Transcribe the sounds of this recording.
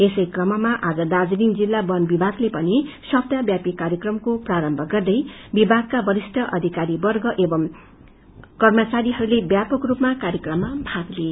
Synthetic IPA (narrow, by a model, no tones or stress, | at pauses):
esʌjkrʌmʌmaʔad͡zʌd̪ad͡zliŋd͡zilːabʌnbibʱaɡlepʌnisʌb̚d̪abjapikaɾjʌkrʌmkopraɾʌmbʱʌɡʌrd̪ʌjbibʱaɡ̚kabʌɾisʈʰʌʔʌd̪ʱikaɾibʌrɡʌʔebʌm | kʌrmʌt͡saɾiɦʌɾulebjapʌkrupmakarjʌkrʌmːabʱaɡle